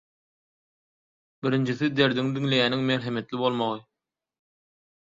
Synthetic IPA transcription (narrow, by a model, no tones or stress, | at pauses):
biɾind͡ʒiθid̪e̞ɾd̪iŋd̪iŋle̞jæniŋmeɾɦemet̪lʲibo̞lˠmoʁɯ